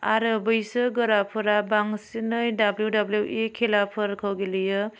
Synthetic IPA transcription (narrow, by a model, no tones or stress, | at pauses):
aɾɯbɯjsɯɡɯɾapʰɯɾabaŋsinɯjdabljudabljuʔekʰelapʰɯɾkʰawɡelɯjɯ